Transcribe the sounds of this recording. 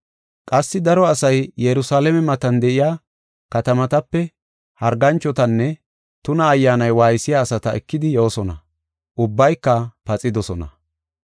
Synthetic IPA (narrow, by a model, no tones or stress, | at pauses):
kʼɐsːɪd̪ɐɾɔɐsɐjjɛɾʊsaːlɛmɛmɐt̪ɐnd̪ɛʔɪjaː | kɐt̪ɐmɐt̪ɐpːɛ | hɐɾɡɐnt͡ʃːɔt̪ɐnːɛ | t̪ʊnɐːjːaːnɐjwaːjsɪjaːsɐt̪ɐɛkːɪd̪ɪjo̞ːsɔnɐ̰ | ʔʊbːɐjkːɐpɐt͡sʼɪd̪ɔsɔnɐ̰